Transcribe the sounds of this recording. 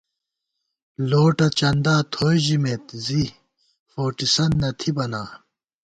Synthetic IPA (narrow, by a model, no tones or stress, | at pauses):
loːʈɐt͡ɕɐnd̪aːt̪ʰoːjʑimeːt̪zi | foːʈisɐnːɐt̪ʰibɐnaː